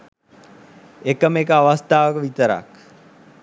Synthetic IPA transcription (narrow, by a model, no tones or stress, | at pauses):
ekəmekəaʋast̪ʰaːʋəkəʋit̪əɾa̰k